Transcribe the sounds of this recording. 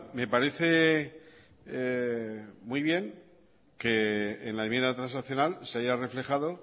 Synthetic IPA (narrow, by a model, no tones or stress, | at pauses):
me̞paɾe̞θe̞ | mwuiβ̞je̞ŋ | ke̞ːnlaemje̞nd̪at̪ɾãnsnaθjo̞nalseajare̞fle̞xaðo̞